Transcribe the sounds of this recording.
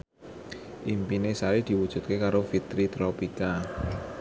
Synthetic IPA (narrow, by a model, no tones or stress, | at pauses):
ʔimpinesaɾid̪̥i̤wud̥ʒ̥ṳt̪̚kekaɾofit̪ɾit̪ɾɔpika